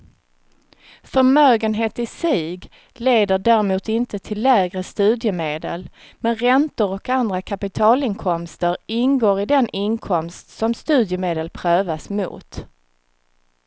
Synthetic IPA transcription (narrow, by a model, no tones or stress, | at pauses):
fœɾmøːɡənɦeːt̪ɪsiːɡ | leːd̪əɖæːɾɪmuːt̪ɪnt̪ət̪ʰɪlːæːɡɾəst̪ʉ̟ːd̪jəmeːd̪ə̰l | mɛnɾɛnt̪ʊɾɔkand̪ɾakʰapɪt̪ʰɑːlɪnkʰɔmst̪əɾɪnɡoːɾɪd̪ɛnʔɪnkʰɔmst̪sɔmst̪ʉ̟ːd̪jəmeːd̪əlpʰɾøːvasmṵːt̪